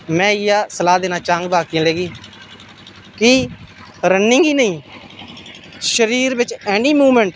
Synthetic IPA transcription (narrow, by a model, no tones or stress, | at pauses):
mɛ̃ːɪjaːsəlaːd̪eːnaːt͡ʃaːŋɡbaːkijãːleːɡiː | ki | ɾənːɪ̃ŋɡiːnəĩː | ʃəɾiːɾbɪt͡ʃɛːɳiːmuːmɛ̃ɳʈ